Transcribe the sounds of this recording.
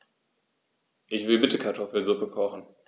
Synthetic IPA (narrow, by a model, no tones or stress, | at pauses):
ʔɪçv̥ɪlbɪtəkʰaɐtʰɔfl̩zʊpəkʰɔχn̩